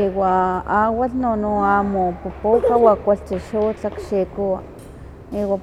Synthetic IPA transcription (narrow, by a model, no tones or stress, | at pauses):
iwaawaɬnonuamopupokawakʷaɬt͡ʃiʃut͡ɬakʃikua | iwa